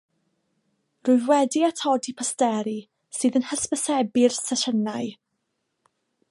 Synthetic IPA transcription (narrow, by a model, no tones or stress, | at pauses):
rʊɨðwɛdiatʰɔdipʰɔstɛɾi | sɨːðənhəspəsɛbɪrsəɬənaɨ